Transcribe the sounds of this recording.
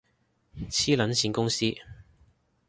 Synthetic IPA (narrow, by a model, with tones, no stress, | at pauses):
t͡sʰiː˥lɐ˨˥nsiː˨˥nkʊ˥ŋsiː˥